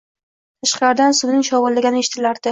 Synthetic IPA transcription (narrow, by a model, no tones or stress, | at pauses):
t̪ʰaʃqlaɾd̪ansʊd̪nɪŋʃɒwɨlːaɡʲanɪeʃɪ̥t̪ʰɪlaɾd̪̥ɪ